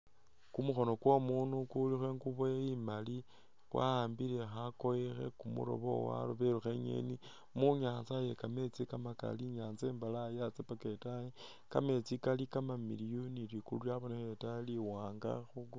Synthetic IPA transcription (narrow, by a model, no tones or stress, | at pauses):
kumuxo̞no̞kwomunukulixweŋɡuβojeimali | kwa̰aːmbiɾe̞xakoexe̞̰kumṵɾo̰βo̰wa̰loβeɾuxeɲḛni | muɲaːnt͡saje̞kame̞t͡sikamaka̰liɲaːnzeːmbalajat͡sepaketaji | ka̰me̞t͡sikalikamamḭlijonilikululjaβonexetaliwaːŋɡa̰xuɡ